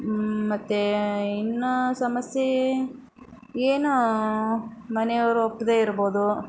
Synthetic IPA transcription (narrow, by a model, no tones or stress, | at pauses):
mɐt̪ːeinːɐsɐmɐsje | eːnu | mɐnejɐʋɾuopːɐd̪eːiɾɐboːd̪u